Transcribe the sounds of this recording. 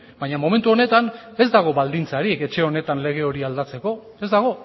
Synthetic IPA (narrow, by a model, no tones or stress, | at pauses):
bajɲamo̞ment̪uo̞ne̞t̪ane̞zd̪aɣ̞o̞βald̪int͡saɾike̞t͡ʃe̞o̞ne̞t̪anle̞ɣ̞e̞o̞ɾiald̪at͡se̞ko̞ | e̞zd̪aɣ̞o̞